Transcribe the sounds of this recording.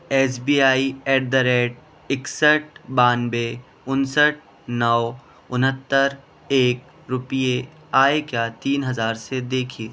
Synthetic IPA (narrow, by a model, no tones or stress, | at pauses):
ɛːsbiːaːiɛːʈ̚d̪əɾeːʈ̚ | ɪksəʈ̚ʰbaːnbe | ʊnsəʈ̚ʰ | nɔʋ | ʊnɦət̪ːəɾ | eːk̚ | ɾʊpije | aːekjaːt̪iːnɦɐzaːɾsed̪eːkʰiː